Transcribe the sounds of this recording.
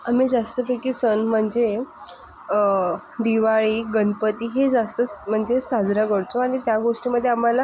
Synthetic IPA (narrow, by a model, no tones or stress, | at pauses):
amid͡zast̪əpekisənm̤əɳd͡ze | d̪iʋaɭiːɡənd̪̚pət̪iːɦed͡zast̪əm̤əɳd͡zesad͡zɾakəɽt̪oaɽ̃it̪jaɡoʂʈiməd̪ʱːjeam̤ala